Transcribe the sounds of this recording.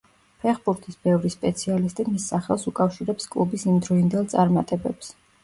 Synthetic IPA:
pʰɛχbuɾt̪ʰisbɛvɾispʼɛt̪sʰialist̪ʼimisːaχɛlˠsukʼafʃiɾɛpskʼlˠubisimd̪ɾɔind̪ɛlˠt̪sʼaɾmat̪ʼɛbɛps

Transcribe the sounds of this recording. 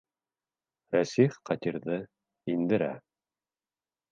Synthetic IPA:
ɾæsifqɑt̪iɾðɤ | ind̪ɘ̆ɾæ̰

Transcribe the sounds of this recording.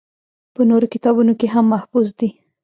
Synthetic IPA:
pənoɾokɪt̪ɑbunokeɦamːahfuzd̪i

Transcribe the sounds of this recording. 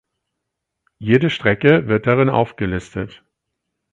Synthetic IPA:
jeːdəʃtʁ̥ɛkəvɪɐt̚d̥aʁɪnʔa̰ʊfɡ̥əlɪstət

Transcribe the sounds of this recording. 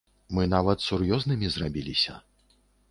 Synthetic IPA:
mɨnavɐt̪surjɔznɨmʲizrabʲilʲisʲɐ̰

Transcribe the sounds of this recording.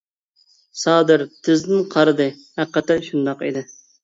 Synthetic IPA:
sɑːd̪ɨɾt̪ʰɪzd̪ɪnqʰɑɾɨd̪ɨ | hæqːət̪ɛnʃund̪ɑqḭd̪ɪ

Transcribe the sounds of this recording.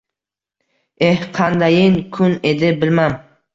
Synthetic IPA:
ehqʰɑnd̪ajɪŋkʰʊne̞d̪ɪbɪlmam

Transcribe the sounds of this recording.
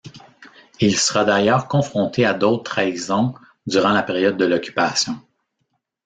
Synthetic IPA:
ilsəʁad̪ajœːʁkɔ̃fχɔ̃t̪ʰead̪ot̪χaizɔ̃ | d̪yʁɑ̃lapeʁjɔd̪̚ːəlɔkʲy̥pasjɔ̃

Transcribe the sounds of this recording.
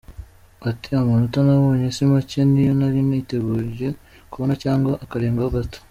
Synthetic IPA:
atiamanotanaβo̞ːɲesimacenijonaɾinite̞ɡuːɾʒe̞ | kuβonacaːŋɡwaʔakaɾeːŋɡaaɡato̥

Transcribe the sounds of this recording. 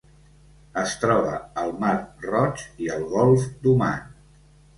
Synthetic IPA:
əst̪ɾɔβəəlˠmarrɔt͡ʃiəlˠɣɔlˠfd̪uma̰n

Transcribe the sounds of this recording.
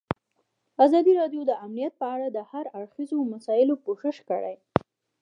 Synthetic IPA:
azɑd̪iɾɑɖjod̪əamnijat̪̚pəaɽad̪əhaɾaɽxizomasɑjɪlopoʃəʃkə̰ɽa̰j

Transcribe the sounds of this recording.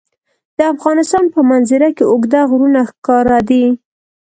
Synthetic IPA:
d̪̥əafɣɑnɪst̪ɑnpəmanzɪɾakeʊɡd̪aɣɾunaxkɑɾad̪i

